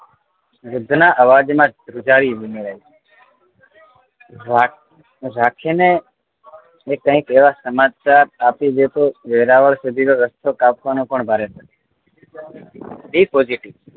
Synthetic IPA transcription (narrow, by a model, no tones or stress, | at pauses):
ɾʊd̪ʱːnaʔəʋad͡ʒmãd̪ʱɾud͡ʒaɾiʋimeɾait͡ʃʰe | ɾakʰine | kə̃ĩkeʋasəmat͡ʃaɾapid͡ʒet̪oʋeɾaʋəɭsud̪ʱiɾoɾəst̪okapʰʋanõpəɳbʱaɾet̪ʰəke | ɖipɔd͡ʒiʈiʋ